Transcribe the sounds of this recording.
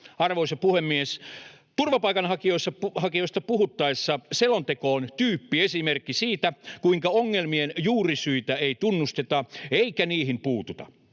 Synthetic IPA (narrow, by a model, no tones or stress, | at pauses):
ɑrʋoisɑpuhemːies | t̪urʋɑpɑikɑnɦɑkioisːɑhɑkioist̪ɑpuhut̪ːɑesːɑselont̪ekoːnt̪yːpːiesimerkːisiːt̪ækuiŋkɑoŋːelmienjuːrisyit̪æeit̪unːust̪et̪ɑeikæniːhimpuːt̪ut̪ɑ̰